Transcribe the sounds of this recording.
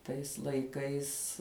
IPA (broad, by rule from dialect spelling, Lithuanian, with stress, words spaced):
tɐɪs lˠɐɪˈkɐɪs